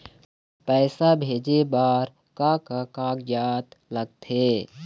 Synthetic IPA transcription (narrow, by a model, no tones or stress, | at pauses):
pɛːsabʱeːd͡ʒebaːɾ | kakakãːɡjaːd̪ləɡ̚t̪ʰeː